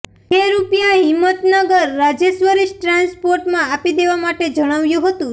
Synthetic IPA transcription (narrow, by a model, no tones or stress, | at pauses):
ɦeɾupjaɦɪmːət̪nəɡəɾːad͡ʒeʃʋəɾiʃʈɾanspoɾʈmãapid̪eʋamaʈed͡ʒəɽ̃aʋjũɦət̪ũ